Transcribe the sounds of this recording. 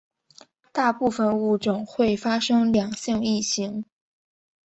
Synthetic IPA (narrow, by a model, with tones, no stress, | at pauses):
t̪a˥˧pu˥˧fə˧nu˥˩ʈ͡ʂʊ˨˩ŋxwe˥˩ɪfa˥ʂɤ˥ŋljɑ˨˩ŋɕi˥˧ŋi˥˩ɕi˧˥ŋ